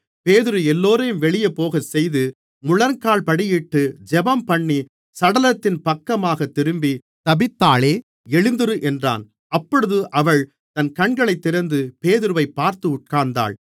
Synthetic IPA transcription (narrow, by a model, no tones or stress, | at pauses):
peːðɯɾɯɛlːoːɾɐjɯmʋɛɭɪjɐpoːɣɐsɛjðɯ | mʊɭɐnkaːɭpɐɽɪjɪʈːɯd͡ʒɛbɐmpɐɳːi | sɐɽɐlɐt̪ːɪnpɐkːɐmaːɣɐt̪ːɪɾɯmbi | t̪ɐbɪt̪ːaːɭeː | ɛɻɪnd̪ɯɾɯʔɛndra̰ːn | ɐpːɔɽɯðɯʔɐʋɐɭ | t̪ɐnkɐɳɡɐɭɐɪt̪ːɪɾɐnd̪ɯpeːðɪɾɯʋɐɪpːaːɾt̪ɯʊʈ̚kaːnd̪a̰ːɭ